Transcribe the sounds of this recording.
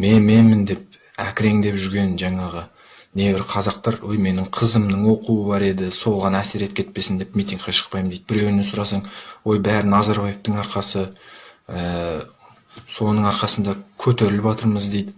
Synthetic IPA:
me̞nme̞nmɪnd̪e̞p̚ | æ̰kʲɪɾe̞ŋd̪e̞pʒʏɾɡʲe̞nʒɑɴɑʁə | ne̞bɪɾqʰɑzɑqt̪ɑɾwojme̞nɪɴqʰəzəmnəɴwo̞quəbɑɾe̞d̪ɪso̞lˠʁɑnæse̞ɾe̞t̪̚kʲʰe̞t̪̚pe̞sɪnd̪e̞pmijt̪ʲiŋɡ̚qɑʃə̥qpɑjməmd̪ejd̪bɪɾe̞wnesʊɾɑsɑɴwo̞jbæɾɪnɑzɑɾbɑjeft̪əɴɑɾqɑsə | ə | so̞nəɴɑɾqɑsənd̪ɑkʲʰɵt̪e̞ɾɪlɪpɑt̪əɾməzd̪e̞jd̪ɪ

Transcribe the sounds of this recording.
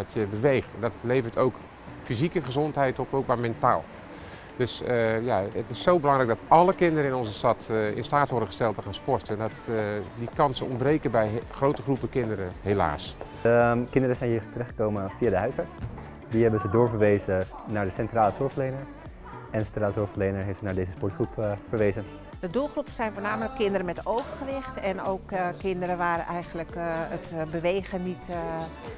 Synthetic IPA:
ɑtjəbəʋejχtɛndɔtlejvərtʰowk | fizikəχəzɔntɦɛjtɔpowk̚mamɛnta̰ːlˠ | døsəjaətɪsːowbəlɑŋɣrɛjk̚dɔtʔɑləkɪndəɾəɪnɔnzəstɑtɪ̰nstaːtʋɔɹrdəχə̥stɛlˠtəχaːnspɔɹtəɛndɔtdikɑnsəɔ̰nbrejkəbɛjχrowtəχrupəkɪndəɾəhela̰ːs | kɪndərəsɛjnhiːɹtərɛxχəkoːwməfiadəɦœɥshɑɹts | dihɛbənzədoːɹfəɹʋeːzə | naɹdəsɛntraːləsʊɹfleːnəɹ | ɛnsɛntraːləsʊɹfəlejnəɹɦefsənaɹdeːzəspɔɹtχrupfərʋeːzən | dədulˠxrupəsɛjnfoːnaːmələkʰːɪndəɾəmɛtowvərxəʋɪxtɛnowkkːɪndəɾəʋaːɾənʔɛjɣənləkətbəʋeːxənit

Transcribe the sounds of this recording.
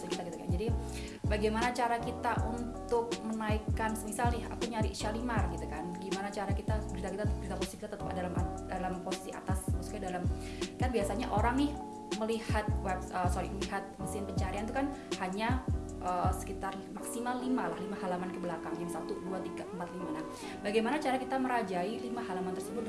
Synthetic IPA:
skit̪akit̪ukand͡ʒadi | baɡajmanat͡ʃaɾakit̪aʔunt̪ʊk̚mənaikːansəmisalnɪha̰kuɲaɾɪʔʃalimarɡit̪ukanbəɡimanat͡ʃaɾakit̪abəɾit̪akit̪abəɾit̪apɔsisikit̪at̪ət̪əpdalamadalamposi̥siʔa̰t̪asmaksukɲadalam | kanbiasaɲaʔoɾaŋnɪh | məlihat̪̚wɛpsəsoɾḭməliɦat̪̚məsɪnpəɲt͡ʃaɾiant̪ukanhaɲa | ʔəːsə̥kit̪ar | maksimalːimalahlimaɦalamankəbəlakaŋd͡ʒamsat̪uduat̪iɡaʔəmpat̪limalah | baɡajmanat͡ʃaɾakit̪aməɾad͡ʒailimaɦalamant̪ərsəbʊt̪̚

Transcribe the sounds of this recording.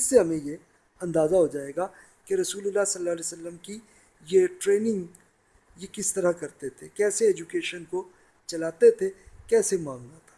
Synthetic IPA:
ɪsːeɦɐmẽje | ɐ̃nd̪aːzaɦod͡ʒaːeːɡa | keɾɐsuːlʊlːasɐlːalesəlːəmki | jeʈɾeːnɪ̃ŋɡ | jekɪst̪ɐɾakɐɾt̪et̪ʰekɛːseeːd͡ʒukeːʃənko | t͡ʃɐlaːt̪et̪ʰekɛːsemãːŋɡnat̪ʰḁ

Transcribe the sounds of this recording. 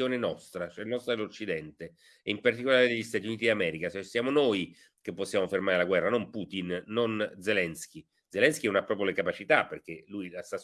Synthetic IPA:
oːnenɔst̪ɾat͡ʃoɛnːɔst̪ɾad̪elot͡ʃːid̪ɛnt̪e | ɛimpart̪ikolaːɾed̪eʎːist̪aːt̪iuniːt̪id̪amɛːɾikat͡ʃɛsːjaːmonoj | kepːosːjaːmofermaːɾelaɡwɛrːanompuːt̪inːond̪zelɛnsk̟i | d̪zelɛnskiɛunapːɾɔːp̬ɾjolekapat͡ʃit̪apːerk̟elujlast̪a

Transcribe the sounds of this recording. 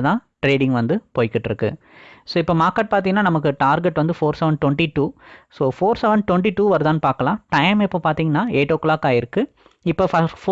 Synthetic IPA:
t̪ãːʈɾeːɽɪ̃ŋɡʋɐnd̪ɯpoːjɪkːɪʈːɪɾɯkːɯ̰ | soːɪpːoːmaːkːɐʈ̚paːɾt̪̬iŋɐnːaːnɐmɐk̬ːɯʈaːɾɡɛʈːʋɐnd̪ɯfoːɾsɛʋɛɳɖ̚ʈʋɔɳʈiʈuːsoːfoːɾsɛʋɛɳɖ̚ʈʋɔɳʈ̬iʈuːʋɐɾt̪aːnpaːɾkɐlãːʈɐɪmɪpːoːpaːɾt̪iːŋɡɐnːaːeːʈokːlaːkaːjɪɾɯkːɯ | ɪpːoːfɐf

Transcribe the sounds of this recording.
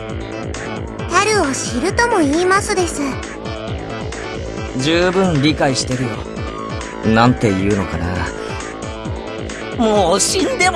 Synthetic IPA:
kaɾɯ̟oɕiɾɯ̟t̪o̞mo̞iːmasɨd̪e̞sɨ | d͡ʑɨːbɯ̟̃nɾʲikaiɕi̥t̪e̞ɾɯ̟jo̞̰ | nãnt̪e̞jɯ̟ːno̞kana̰ | moːɕĩnd̪e̞

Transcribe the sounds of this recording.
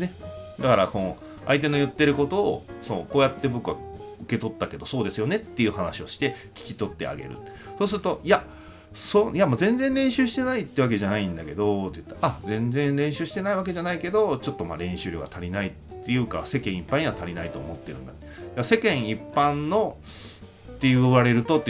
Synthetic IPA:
ned̪akaɾakõ | a̰it̪̬e̞no̞jɯ̟t̪ːe̞ɾɯ̟ko̞t̪o̞ːsonoko̞ːjat̪ːe̞bo̞kɯ̟a̰ɯ̟ke̞t̪o̞t̪ːake̞d̪o̞so̞ːd̪e̞sɨjo̞ne̞t̪ːe̞jɯ̟ːhanaɕio̞ɕi̥t̪e̞ | kʲi̥kʲi̥t̪o̞t̪ːe̞̰a̰ɡe̞̰ɾɯ̟̰ | so̞ːs̬ɨɾɯ̟t̪o̞ia | sojamoːzẽ̞nd͡zẽ̞nɾẽ̞ɰ̃ɕɨːɕi̥t̪e̞nait̪ːeβake̞ʑanaĩnd̪ake̞d̪o̞t̪ːejɯ̥t̪ːaʔazẽ̞nd͡zẽ̞nɾẽ̞ɰ̃ɕɨːɕi̥t̪e̞naiβ̞ake̞ʑanaike̞d̪o̞t͡ɕo̞t̪ːoma̰ɾẽ̞ɰ̃ɕɨːɾʲo̰ɡa̰t̪ʰaɾʲinait̪ːe̞jɯ̟ːka̰se̞kẽ̞ɰ̃ipːãɲ̟iβat̪aɾʲinait̪o̞̰ːmo̞t̪ːe̞ɾɯ̟̃nd̪at̪ːed̪aase̞kẽ̞ɰ̃ipːãnːo̞ | t̪ːe̞jɯβaɾe̞ɾɯ̟t̪o̞t̪ːe

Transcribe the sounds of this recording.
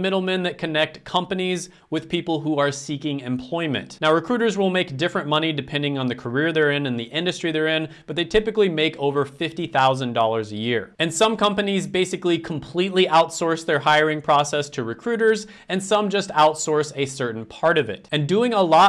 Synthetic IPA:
mɪɾl̩ˠmɨ̃nðɨt̚kʰɨnɛk̚tkʰʌ̃mpɨniz | wɨð̥pʰipl̩ˠɦuə˞sikɪ̃ŋɨ̃mpʰl̥ɔɪmɨ̰̃nʔnaʊɹɨkʰɹ̥ʉɾə˞zwɪlˠmeɪk̚d̥ɪfɹɨ̃nmʌñidɨpʰɛ̃ndɪ̃ŋə̃nðɨkʰə˞ɪɹðə˞ɪ̃nɨ̃nðiʔɪ̃ndɨstɹ̥iðə˞ɪ̃nbb̥ʌt̪̚ðeɪtʰɪpɨklimeɪkʰoʊvə˞fɪftiθaʊzɨ̃ndɔlˠə˞zɨjɪɹɨ̃nsʌ̃mkʰʌ̃mpɨnizbeɪsɨklikʰm̩pʰl̥itˡliʔaʊtsɔɹsðə˞ɦaɪə˞ɪ̃ŋpʰɹ̥ɔsɛstʰɨɹɨkʰɹ̥ʉɾə˞z | ɨ̃nsʌ̃md͡ʒʌstaʊtsɔɹsɨsɜ˞ʔn̩pʰɑɹɾʌvɪ̰tɨ̃ndʉɪ̃ŋəlɔ

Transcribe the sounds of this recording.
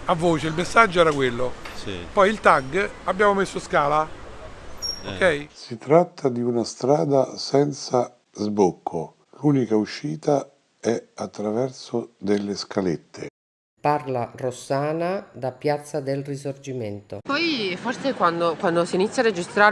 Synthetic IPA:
avːoːt͡ʃeilmesːad͡ʒːoɛːɾakwelːoḭpɔjilt̪aɡabːjaːmomesːoskaːla | okʰːɛjsit̪ɾat̪ʰːad̪iunast̪ɾaːd̪asɛnt̪sa | zbokʰːo | luːnikauʃːiːt̪a | ɛat̪ːɾavɛrsod̪elːeskʰalet̪ʰːe | parlarosaːnad̪apːjat̪sːad̪elrisord͡ʒiment̪o̰pɔjforsekwand̪okwand̪osiːnit̪sjared͡ʒist̪ɾaː

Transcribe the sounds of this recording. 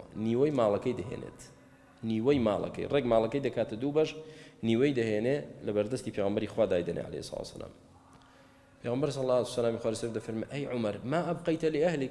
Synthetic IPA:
niːwɐjmaːlˠɐkɐjd̪ɐɦḛnḛt̪ | niːwɐjmaːlˠɐ̰kɐ̰jreɡmaːlˠɐkɐjd̪ɐkaːt̪ɐd̪uːbɐʒniːwɐjd̪ɐɦeːnelɐbɐɾd̪ɐst̪iːpʰeːɣɐmbɐɾixwaːd̪aːjd̪ɐnʔḛʕa̰lḛhsːˤlˠa̰t̪sːɐ̰lʔa̰ːm | pʰeːɣɐmbɐɾs̬ɑlːaːt̪uwsɐlaːmixwaːlisɐɾd̪ɐfɐɾmeʔɐjʕʊmɐɾmaːʔɐbqɐjt̪ʰɐliɐhlik

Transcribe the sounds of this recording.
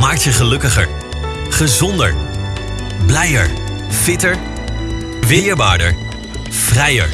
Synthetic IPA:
maːk̚tjəχəlɵkəχə̰ɹ | χəzɔndə̰ɹ | blɛjəɹ | fɪtəɹ | ʋɪːɹbaːɹdəɹ | v̥rɛjə̰ɹ

